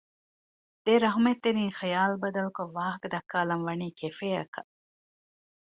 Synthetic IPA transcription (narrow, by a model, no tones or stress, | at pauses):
d̪̥eɾɐɦumet̪ːeɾĩːŋxijaːlbɐd̪ɐlkoʋaːɦɐkɐd̪ɐkːaːlɐnʋɐniːkefeːɐkɐ